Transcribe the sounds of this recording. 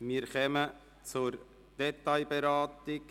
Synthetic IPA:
miːɾkɛmə | t͡sʊɾ | d̥ɛtaɪbeɾɑːt̪ɪk

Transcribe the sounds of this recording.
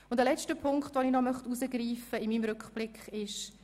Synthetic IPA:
ʊndəlɛt͡ʃtəpʰʊŋkχtʋoninɔmœχtuzəɡriːfəɪmiːmɾʉkχb̥lɪkχɪʃ

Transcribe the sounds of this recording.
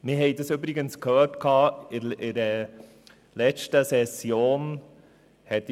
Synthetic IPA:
mɪɦɛɪd̪ɑsøbɾɪɡənskʰhœːɾtkʰɑːɪɾʔɪɾə | lɛt͡ʃtəsɛsjoːn | hɛt̚ː

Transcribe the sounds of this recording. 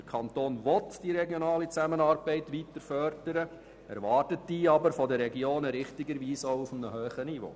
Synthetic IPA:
dəkʰɑntoːnʋɔt̪d̥iɾɛɡjɔnɑːlit͡sæmənɑːɾb̥ɛɪtʋitəɾfœɾd̥əɾə | ɛ̰ɾʋɑːrtətd̥iːɑbəɾfɔdərːɛɡioːnəɾɪχtɪɡəɾʋiːsoʊufmnəhøːχənivo̰ː

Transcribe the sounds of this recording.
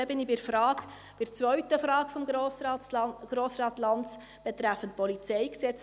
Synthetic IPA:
ɛbɪnibɪɾfɾɑːk | b̥ɪt͡svœɥtəfɾɑːkfɔmosɡ̥ɾoːsɾɑːtlɑnt͡s | b̥ɛtɾæfəntpɔlit͡sɛɪksɛt͡s

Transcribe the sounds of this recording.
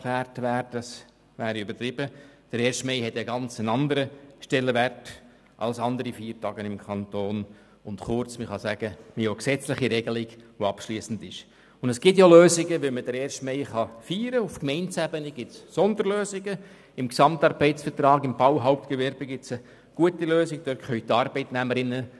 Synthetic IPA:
kʰlæːrtʋæːɾdɑs | ʋæːɾiʏbəɾtɾɪb̥əd̥əɾeːɾʃtmeɪɦɛtəɡɑnt͡sənɑnd̪əɾəʃtɛlːəʋært | ʔɑ̰lsɑndəɾifiːɾtɑːɡənɪmkʰɑnt̪oːn | ʊntχʊrt͡sməχɑsæɡ̥əmoksɛt͡slɪχiɾɛɡəlɪɡʋoɑpʃliːəsn̩dɪʃ | ʊndəsɡ̥ɪt̬joløːzɪɡəʋɛlməd̥əɾeːɾʃtmeɪχɑfiːɾəʊfkmɛɪnt͡sæbəniɡ̥ɪtssɔnd̪əɾløːsɪɡə | ɪmksɑmtɑːɾbɛɪtsfərtrɑːɡɪmb̥ɑwɦaʊp̚tkəʋɛɾb̥əɡɪt͡sə | ɡ̥uətiløːsɪɡd̥øɾkχœʏt̪ɑːrbɛɪtnæməɾɪnːə

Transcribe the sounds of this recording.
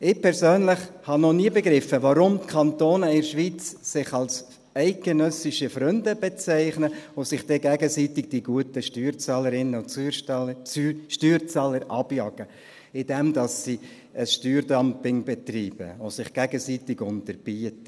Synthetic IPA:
ɪpʰɛɾzøːnlɪχhɑnɔniːəbɛɡɾɪfːəʋaɾʊmtkʰɑnt̪oːnəɪɾʃʋiːt͡sːɪχɑls | æɪt̚ɡ̥enœsɪʃəfɾʏndəbɛt͡sæɪχnəosɪχd̥ɛɡɛɡəsitɪɡ̚d̥iɡuətəʃtyːɾt͡sɑːləɾɪnːəʊt͡sː | ʃtyːɾt͡sɑːləɾʔɑb̥jɑɡə | ɪd̥ɛmdɑsːi | əsʃtyːɾdɑmpɪŋbɛtriːb̥ə̰osɪχɡ̥ɛɡəsitɪɡʊntəɾb̥iətə

